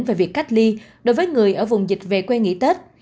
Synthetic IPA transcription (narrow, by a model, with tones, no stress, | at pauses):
nve˨˩vi˨˩əkːa˦˥k̟̚li˧ | ɗo˨˦jvəː˨˦jŋɨ˨˩əjʔəː˧˩vʊ˨˩wŋ͡mzï˨˩k̟̚ve˨˩kwɛ˧ŋḭ˧˥t̪e˦˥t̚